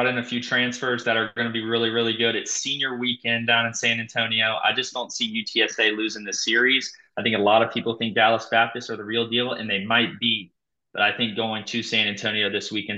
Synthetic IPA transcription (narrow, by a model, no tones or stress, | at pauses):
ɾɨ̃nɨfjʉtʰɹ̥æ̃nsfə˞zðɨɾə˞ɡʌnɨbiɹɪlˠiɹɪlˠiɡʊɾɨtsĩnjə˞wikɛ̃ndãʊ̃nɨ̃nsæ̃ñæ̃ntʰõʊ̃nioʊʔa̰ɪd͡ʒʌsd̥õʊ̃ntsijʉtʰiɛseɪlʉzɪ̃ŋðɨsɪɹiz̥aɪθɪ̃ŋkəlɔɾʌv̥pʰipl̩ˠθɪ̃ŋk̚d̥ælˠəsb̥æp̚tɨstə˞ðəɹilˠdilˠɨ̰̃nðeɪmaɪt̚b̥i | b̥ʌɾaɪθɪ̃ŋk̚ɡ̥oʊɪ̃ŋtʰɨsæ̃ɾ̃æ̃ntʰõʊ̃ñioʊðɪswikɛ̃n